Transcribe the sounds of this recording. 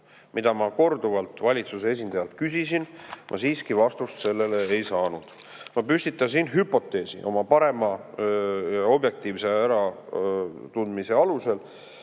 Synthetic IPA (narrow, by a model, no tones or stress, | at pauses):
mʔid̪̥ɑmɑko̞rd̪̥uvɑlt̪ːˑvɑlʲit̪susees̬ʲind̪̥ɑjɑlt̪̚kysisinmʔɑ̰siːskivɑst̪ust̪se̞lːe̞leejsɑːnud̪̥ | mɑpysʲt̪it̪ːˑɑs̬inɦypːˑo̞t̪ːˑe̞ːsḭʔo̞mɑpɑɾe̞mɑ | o̞bje̞k̚t̪iːvse̞æɾɑ | t̪und̪mise̞ɑluse̞l